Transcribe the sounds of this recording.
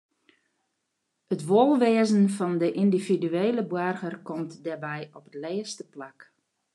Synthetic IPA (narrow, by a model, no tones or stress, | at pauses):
ətʋolˠʋeːzənfɔndəʔindividyeːləbwarɣərkɔmtdɛrbɛjɔpədlɛːstəplak